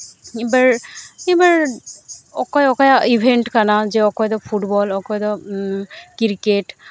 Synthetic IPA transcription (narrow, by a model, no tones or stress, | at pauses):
ibaɹibaɹ | ɔkɔjɔkɔjaibʱenʈkanazɛɔkɔjd̪ɔpʰuʈbɔlɔkɔjd̪ɔ | kiɹkeʈ